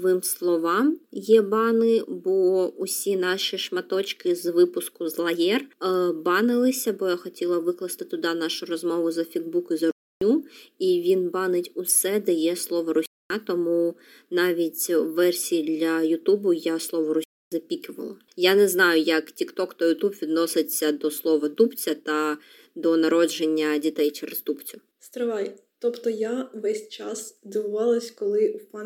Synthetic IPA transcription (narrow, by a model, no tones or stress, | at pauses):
ʋɪmslˠɔʋɑmjɛbɑnɪbɔʊsʲinɑʃiʃmɐt̪ɔt͡ʃkɪzʋɪpʊskʊzlˠɐjɛrbɑnɪlˠɪsʲɐbɔjaxɔtʲilˠɐʋɪklˠɐst̪ɪt̪ɪʊd̪ɑnɑʃʊrɔzmɔʋʊzɐfʲiɡ̪̚bukizɐʊnʲuiʋʲinbɑnɪtʲʊsɛd̪ɛjɛslˠɔʋɔɾʊsʲnʲat̪ɔmu | nɑʋʲitʲʋɛrsʲijid̪lʲɐjʊt̪ubʊjaslˠɔʋɔɾʊsʲuzɐpʲikʲɪʋɐ̰lˠɐ | janɛznɑjʊjɐktʲikt̪ɔkt̪ɔjʊt̪ubʋʲid̪nɔsɪt͡sʲːɐd̪ɔslˠɔʋɐt̪upt͡sʲɐt̪ɐ | d̪ɔnɐɾɔd͡ʒenʲːɐdʲit̪ɛjt͡ʃeɾest̪upt͡sʲʊ | st̪ɾɐʋɑjt̪ɔpt̪ɔjaʋɛsʲt͡ʃasd̪ɪʋʊʋɑlˠɐsʲkɔlˠɪwpɑ